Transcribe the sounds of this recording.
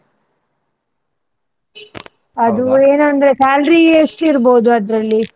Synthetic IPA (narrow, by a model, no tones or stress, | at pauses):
ɐd̪ueːnɐnd̪ɐɾekaːlɾieːʂʈuiɾboːd̪uɐd̪ɾɐlːi